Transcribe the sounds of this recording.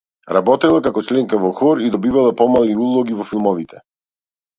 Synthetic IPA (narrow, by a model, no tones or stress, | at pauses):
ɾabɔt̪ɛlˠakakɔt͡ʃlɛŋkavɔxɔɾid̪ɔbivalˠapɔmaliulˠɔɡivɔfilˠmɔvit̪ʰɛ